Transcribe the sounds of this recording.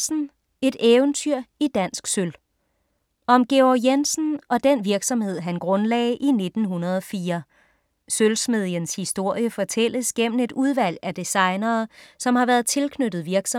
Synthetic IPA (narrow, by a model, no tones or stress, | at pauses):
n̩ | e̝d̥eːʊnt͡sʰyɐ̰id̥æn̰sɡ̥søl | ɒ̽mɡ̥e̝ɒjensn̩ʔɒ̽d̥enʋiɐɡ̥sɒ̽mhe̝ð̞̰ˠɦænɡ̥ʁɔ̽nlɛ̰ːɪʔine̝d̥n̩ɦunɐð̞̩ˠɒ̽fiːɐ | sølsme̝ð̞̰ˠjənshisd̥o̝ɐ̰jəfɒ̽t͡sʰel̰əsɡ̥em̰n̩e̝d̥uð̞ˠʋæl̰æd̥isɑ̈ɪnɐːsɒ̽mhɑ̈ʋæɐð̩ˠt͡sʰe̝lkʰnød̥ð̞̩ˠʋiɐɡ̥sɒ